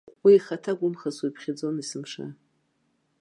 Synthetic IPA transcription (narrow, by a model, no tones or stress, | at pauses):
wiːχatʰaɡʷʊmχaswipʰχʲad͡zo̞nisɨmʂa̰